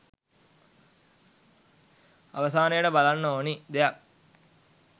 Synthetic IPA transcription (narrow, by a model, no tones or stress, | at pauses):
a̰ʋəs̬aːnəjəʈəbalanːooːnid̪ejak̚